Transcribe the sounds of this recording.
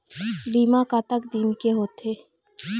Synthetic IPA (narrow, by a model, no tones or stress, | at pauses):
biːmakat̪əkd̪inkeɦoːt̪eː